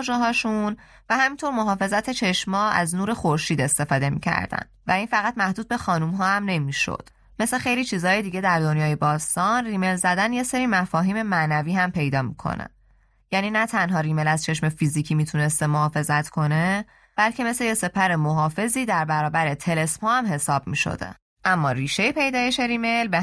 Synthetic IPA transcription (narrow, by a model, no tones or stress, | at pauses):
d͡ʒɛɦɒːʃun | væhæmint̪ʰo̞ɾmo̞ɦɒːfe̞zæt̪ʰet͡ʃʰe̞ʃmɒːæ̰znuːɾe̞xoɾʃiːd̪e̞st̪e̞fɒːd̪e̞mḭcʰæ̰ɾd̪æ̰nvæinfæɣæt̪mæhd̪uːd̪̚be̞xɒːnumɦɒːæmne̞miːʃo̰d̪̥ | me̞sle̞xe̞jliːt͡ʃʰiːzhɒːjed̪iːɟe̞d̪æɾd̪o̞njɒːjebɒːst̪ɒnriːme̞lzæd̪ænje̞se̞ɾiːmæfɒːɦiːme̞mænæviːɦæmpʰe̞jd̪ɒːmḭkʰo̰næ̰ | jæːniːnæt̪ʰænɦɒːɾiːmelæzt͡ʃʰe̞ʃme̞fiziːcʰimit̪ʰune̞st̪e̞moɦɒːfe̞zæt̪ʰkʰo̞ne̞ | b̥ælcʰe̞me̞sleje̞se̞pʰæɾemo̞ɦɒːfe̞ziːd̪æɾbæɾɒːbæɾet̪ʰe̞le̞spohæmɦe̞sɒːb̚miːʃo̰d̪ḛ | ʔæmːɒːɾiːʃejepʰe̞jd̪ɒːje̞ʃe̞ɾiːme̞jlbe